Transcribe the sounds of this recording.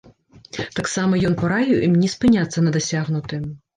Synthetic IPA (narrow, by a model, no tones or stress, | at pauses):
t̪aksamɐjɔnpɐɾajuʔimnʲispɨnʲat̪sːɐnɐd̪ɐsʲaɣnut̪ɨ